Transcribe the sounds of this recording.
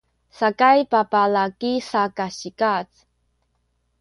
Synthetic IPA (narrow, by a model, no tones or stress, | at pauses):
sakajpapalakisakaɕikat͡s